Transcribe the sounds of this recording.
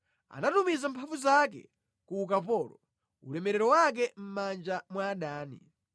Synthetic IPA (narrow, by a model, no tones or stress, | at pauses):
a̰natumizam̩pʰavuzakɛ̰ | kuːkapɔːlɔ | ṵlɛmɛɾɛɾɔwak̬ɛm̩mand͡ʒamwaːɗaːnḭ